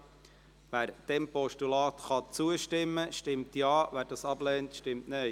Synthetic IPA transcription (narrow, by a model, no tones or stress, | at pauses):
ʋæːɾd̥ɛmpɔʃtulɑːtχɑt͡suəʃtɪmːəʃtɪmtjɑːʋæːɾdɑːsɑblɛːntʃtɪmtneɪ